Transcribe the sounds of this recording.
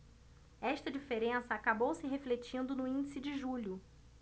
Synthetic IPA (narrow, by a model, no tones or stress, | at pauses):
ɛʃt̪ɐd͡ʒifeɾẽsɐakabowsɪɦeflet͡ʃĩnd̪ʊnʊĩd͡ʒisɪd͡ʒɪʒuʎʊ